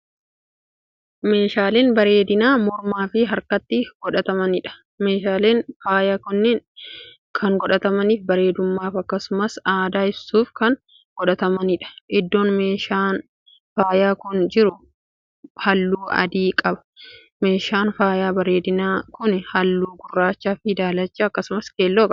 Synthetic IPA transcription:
me̞ːʃaːleːnbɐɾe̞ːd̪ɪnaːmɔɾmaːfɪɦɐɾkɐt̪ːɪɡ̥ɔᶑɐt̪ɐmɐnɪᶑɐ̥ | meːʃaːleːnfaːjaːkʊnːɛn | kʰɐŋɡɔᶑɐt̪ɐmɐniːfbɐɾe̞ːd̪ʊmːaːfɐkːɐsʊmɐsaːd̪aːɪbsuːfkɐŋ | ɡ̥ɔᶑɐt̪ɐmɐnɪᶑɐ̥ʔɪd̪ːo̞ːnme̞ːʃaːn | faːjaːkʊnd͡ʒɪɾʊ | hɐlːuːɐ̰d̪iːkʼɐbɐ̥ | me̞ːʃaːnfaːjaːbɐɾe̞ːd̪ɪnaːkʊnɪhɐlːuːɡʊrːaːt͡ʃːaːfɪd̪aːlɐt͡ʃːaɐkːɐsʊmɐskeːlːoːkʼɐ

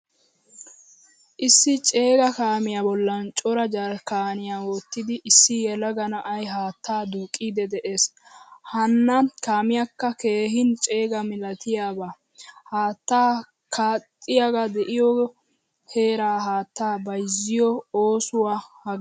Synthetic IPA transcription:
ʔɪsːɪt͡ʃʼe̞ːɡɐkaːmɪjabɔlːɐnt͡ʃʼɔɾɐd͡ʒɐɾkaːnɪjaːwoːt̪ːɪd̪ɪʔɪsːɪjɛlɐɡɐnɐʔɐjɦaːt̪ːaːd̪uːkʼːid̪ɛd̪ɛʔe̞ːshɐnːɐkaːmɪjakːɐke̞ːɦɪnt͡ʃʼe̞ːɡɐmɪlɐt̪ʰɪjaːbaː | haːt̪ːaː | kʰaːt̪ʼːɪjaɡad̪ɛʔɪjɔ | he̞ːɾaːɦaːt̪ːaːbɐjzːɪjɔoːsʊwaːhɐ

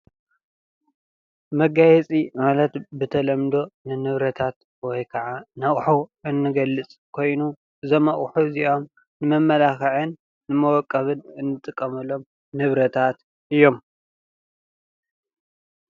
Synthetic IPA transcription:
mɐɡajɛt͡sʼimalɐt̪bɨt̪ʰɐlɐmd̪o̞nɨnɨβɾɐt̪ʰat̪ | wɔjkʰɐʕanaχʼħuɨnːɨɡɐlːɨt͡sʼkʰo̞jnu | zɐmaʔʼħuziʔo̞m | nɨmɐmːɐlaxɐʕɨnː | ɨmɐwɔkʼːɐβɨnɨnːɨt̪ʼɨkʼːɐmɐlo̞m | nɨβɾɐt̪ʰat̪ | ʔɨjːo̞m

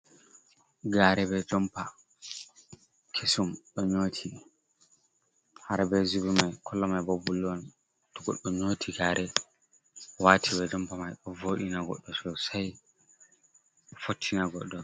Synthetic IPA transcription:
ɡaːɾɛbɛd͡ʒɔmpa | kʰesumɗɔɲoːtʰi | haɾbɛzubumajkʰɔlːɔmajbɔbulːwan | tɔɡɔ̰ɗːɔɲoːtʰiɡaːɾɛ | waːtʰibɛd͡ʒɔmpamajɗɔvoɗinaɡɔ̰ɗːɔsɔsaj | fotʰːinaɡɔ̰ɗːɔ

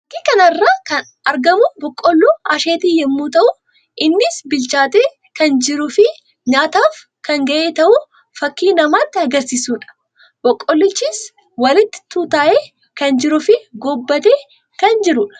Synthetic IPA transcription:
ɐkːiːkɐnɐrːaːkɐn | ɐɾɡɐmʊbɔkʼːɔlːuːɐʃeːt̪iːjɛmːuːt̪ɐʔʊ | ʔɪnːɪsbɪlt͡ʃaːt̪eː | kɐnd͡ʒɪɾʊfɪ | ɲaːt̪aːf | kɐŋɡɐʔeːt̪ɐʔʊ | fɐkːiːnɐmaːt̪ːɪɐɡɐɾsiːsuːᶑɐ̥ | b̥ɔkʼːɔlːɪt͡ʃːiːs | wɐlɪt̪ːɪ̥t̪uːt̪aːʔeː | kɐnd͡ʒɪɾʊfɪɡɔbːɐt̪eː | kɐnd͡ʒɪɾʊᶑɐ̥

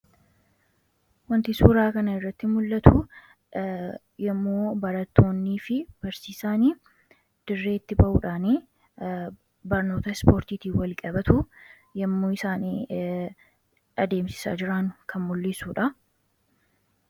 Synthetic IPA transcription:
wɐnt̪ɪsuːɾaːkɐnɐɪrːɐt̪ːɪmʊlːɐt̪ʰʊ | jɛmːoːbɐɾɐt̪ːo̞ːnːiːfɪb̥ɐɾsiːsaːniː | d̪̥ɪrːe̞ːt̪ːɪbɐʔuːᶑaːniː | bɐɾno̞ːt̪ɐɪspo̞ːɾt̪iːt̪iːwɐlkʼɐbɐt̪ʊ | jɛmːuːɪsaːniː | ɐd̪e̞ːmsɪ̥sa̰ːd͡ʒɪɾaːnʊkʰɐnmʊlːɪsuːᶑɐ

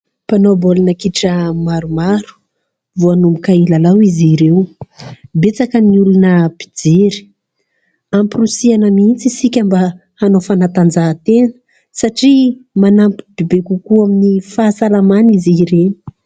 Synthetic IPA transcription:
panobolinakiʈ͡ʂəmaɾumaɾu̥ | vuanumbukailalawiziɾew | bet͡sakəniulunəb̥id͡zeɾi̥ | ampirusianəmint͡sisikʲamba | anofanat̪and͡zaːt̪enə̥ | saʈ͡ʂimanampi̥b̥ebekukuaminifaːsalamaniziɾeni̥

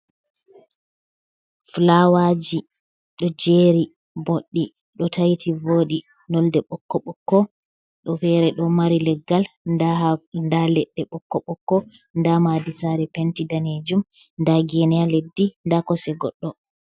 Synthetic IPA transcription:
flawad͡ʒi | ɗɔd͡ʒeːɾi | boɗːi | ɗɔtʰajitʰivoːɗi | nɔldɛɓɔkːɔɓɔkːɔ | ɗɔfɛɾɛɗɔmaɾilɛɡal | andalɛɗːɛɓɔkːɔɓɔkːɔ | ndamadisaɾɛpɛntidaned͡ʒum | ndaɡɛnɛaledːindakɔsɛɡɔ̰ɗːɔ

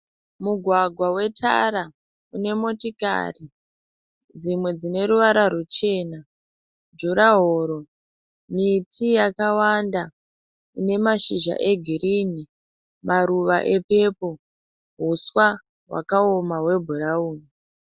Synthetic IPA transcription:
muɡʱwaɡʱwawe̞tʰa̰ɾa | une̞mo̞tika̰ri | d͡zimwe̞d͡zine̞ɾuʋaɾarut͡ʃe̞ːna | d͡ʒuɾaɦoːɾo̞ | mitʰijakawanda | ine̞maʃiʒa̰ʔe̞ɡʱiɾini | mʔaɾuʋaʔe̞pe̞po̞ | ɦuswa | wa̰kaomaɦwe̞bʱurauːni

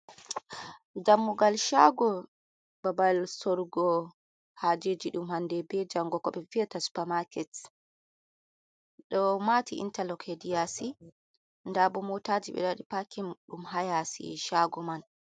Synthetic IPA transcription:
d͡ʒamːuɡalʃaɡɔ | babalsɔɾɡɔ | had͡ʒed͡ʒiɗumhandɛbɛd͡ʒaŋɡɔkɔɓɛviatasu̥pamakɛt | ɗɔmatiʔḭntalɔkʰedijasi | ndabɔmɔtad͡ʒiɓɛ̰ɗaɗipakimɗumɦajasḭʃaɡɔman

